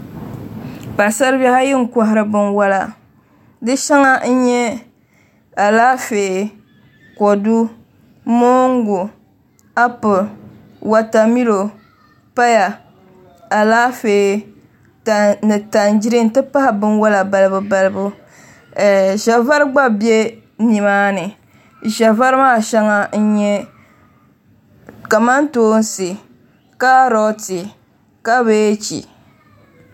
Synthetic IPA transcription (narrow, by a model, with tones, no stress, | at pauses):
pa˨sa˦ɾba˦ha˦jɪ˦ŋ̩˨kʷɔ˦ɦɪ˨ɾɨ˦bɨ˦nwa˦la̰˨ | dɨ˦ʃa˦ŋa˦n̩˦ɲɛ˦ | a˨laː˦feː˨ | kɔ˨du˦ | mo˦ŋ˦ɡu˨ | a˦pɨ˨ | wa˨ta˨mi˦lo˨ | pa˦ja˨ | a˨laː˦feː˨ | tnɨ˨ta˨nd͡ʒi˦ɾɨ˦n̩˨˦tɨ˦pa˦ha˨bɨ˦nwa˦la˨ba˨lɨ˦bʊ˨ba˦lɨ˦bʊ˦˨ | ʒa˨va˦ɾɡ͡ba˦bje˦ | ni˨maː˦nɨ˨ | ʒa˨va˦ɾɨ˦maː˦˨ʃɛ˦ŋa˦n̩˦ɲɛ˦ | ka˨ma˦n˦toː˦n̩˦sɨ˨ | ka˦ɾɔ˦ti˨ | ka˦βe˦t͡ʃḭ˨